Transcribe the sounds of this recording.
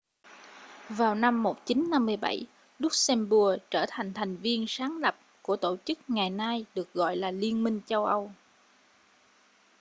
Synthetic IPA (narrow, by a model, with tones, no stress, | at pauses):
vaː˨˩wna˧mːo˨˩t̚t͡ɕi˨˦nːa˧mːɨ˧əjɓa̰˧˩j | lʊ˦˥k͡p̚sɛ˧mɓu˧˩ət͡ɕəː˧˩t̪ʰa˨˩jŋ̟t̪ʰa˨˩jŋ̟vi˧ənsaː˨˦ŋlə˨˩p̚ku˧˩ət̪o˧˩t͡ɕɨ˦˥k̚ŋa˨˩jnaː˧jɗɨ˨˩ək̚ɣɔ̰˧˨jlaː˨˩li˧ənmï˧ŋ̟t͡ɕə˧wʔə˧w